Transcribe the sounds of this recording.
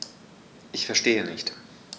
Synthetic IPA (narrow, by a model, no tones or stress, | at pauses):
ʔɪçfɛɐʃteːənɪçt